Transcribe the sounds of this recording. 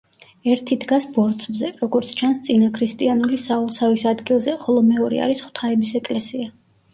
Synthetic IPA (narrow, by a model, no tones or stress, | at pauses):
ɛɾt̪ʰid̪ɡasbɔɾt̪sʰvzɛɾɔɡɔɾt̪sʰt͡ʃʰanst̪sʼinakʰɾist̪ʼianulisaulˠsavisad̪ɡilˠzɛχɔlˠɔmɛɔɾɛ̰a̰ɾisχwt̪ʰaɛbisɛkʼlɛsia